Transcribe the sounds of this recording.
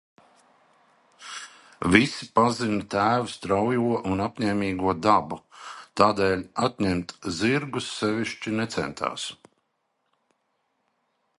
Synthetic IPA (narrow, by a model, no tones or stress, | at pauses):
visipazint̪æːvust̪ɾawjuɔʔunapɲɛːmiːɡuɔd̪abut̪aːd̪ɛːlʲat̪ɲɛmt̪ziɾɡusːɛviʃt͡ʃinɛt̪sɛ̰nt̪ʰa̰ːs